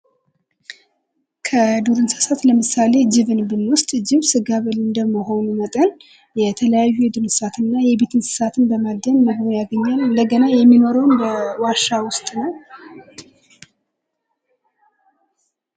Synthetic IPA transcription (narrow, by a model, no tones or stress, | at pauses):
kʰəd̪uɾɨnsɨ̥sat̪ləmɨsale̞d͡ʒɪβɨnbɨnwʊst̪ʼd͡ʒɪβsɨɡaβəlɨnd̪əmːəɦo̞numət̪ʼən | jɛt̪ʰələjajːujɛd̪ɨnsɨ̥sat̪ʰɨnːajɛβe̞t̪ʰɨnsɨ̥sat̪ʰɨnbəmad̪ːəɲməɡmojaɡəɲːalɨnd̪əɡənajɛmːino̞ɾəwnbəwaʃːawʊst̪ʼnəw